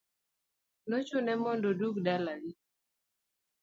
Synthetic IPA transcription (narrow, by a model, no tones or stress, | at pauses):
not͡ʃʊnɛmɔndoduɡdalani